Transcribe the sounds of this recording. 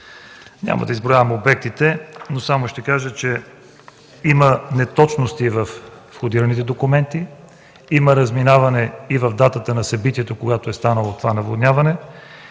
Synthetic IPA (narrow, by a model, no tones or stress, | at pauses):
ɲʲa̰mɐ̰d̪ɐizbɾojavɐmobɛk̚t̪it̪ɛnosamoʃt̪ɛkaʒət͡ʃɛ | imənɛt̪ɔt͡ʃnost̪ivɐf | xod̪iɾɐnit̪ɛd̪okʊmɛnt̪i | iməɾɐzminavɐnɛivɐvd̪at̪ət̪ənɐsɐbit̪iɛt̪okoɡat̪oɛst̪anəlˠot̪ovanɐvod̪nʲavɐnɛ